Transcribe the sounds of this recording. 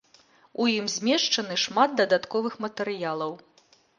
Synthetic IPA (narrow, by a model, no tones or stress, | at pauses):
ujimzʲmʲɛʂt͡ʂɐnɨʂmad̪̚d̪ɐd̪at̪kɔvɨxmɐt̪ɛɾɨjalˠɐw